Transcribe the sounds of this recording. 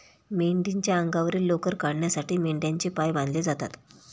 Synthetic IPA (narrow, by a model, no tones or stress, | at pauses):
meɳɖiɲt͡ɕjaəŋɡaʋɾiːlːokəɾkaɽɳjasaʈʰiːmeɳɖjaɲt͡ɕiːpajbãnd̪leːd͡zat̪at̪